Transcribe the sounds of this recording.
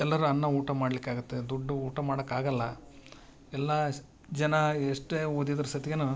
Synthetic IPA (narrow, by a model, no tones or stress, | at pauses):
ɛlːɐɾuɐnːɐuːʈɐmaːɽlikːaːɡut̪ːed̪uɖːuuːʈɐmaːɽɐkːaːɡɐlːɐ | ɛlːɐ | d͡ʒɐnɐeʂʈeoːd̪id̪ɐɾɐsɐt̪ijɐnu